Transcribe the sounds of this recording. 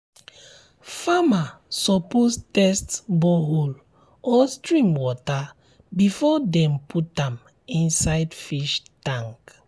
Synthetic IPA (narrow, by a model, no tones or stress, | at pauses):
famasɔpostɛstbɔɦol | ɔstɹĩmwɔta | bifɔdɛ̃mpʰutãm | ĩnsaɪdfiʃtãŋk